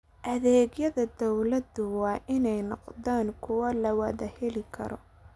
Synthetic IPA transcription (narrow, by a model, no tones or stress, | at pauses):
ʔɐðɛːɡjɐðɐd̪ɔwlɐd̪ʊwɑːʔɪnɛjnɔqd̪aːŋkʰʊwɐlɐwɐðɐhɛlɪkʰɐ̰ɾɔ̰